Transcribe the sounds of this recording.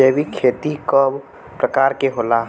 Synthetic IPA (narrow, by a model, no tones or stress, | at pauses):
ebʱikʰeːt̪ikob | pɾəkaːɾkeɦolaɦ